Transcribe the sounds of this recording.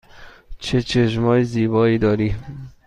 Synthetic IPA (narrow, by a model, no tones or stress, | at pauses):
t͡ʃʰet͡ʃʰeʃ̬mɒːjeziːbɒːiːd̪ɒːɾiː